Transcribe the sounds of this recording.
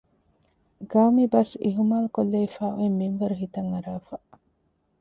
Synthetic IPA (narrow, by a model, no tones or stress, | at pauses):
ɡɐwmibɐsiɦumaːlukolːeifaːʔoimːinʋɐɾuɦit̪ɐŋɐɾaːfa